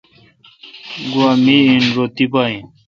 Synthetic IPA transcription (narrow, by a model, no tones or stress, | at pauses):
ɡwamiinɾot̪ipaĩ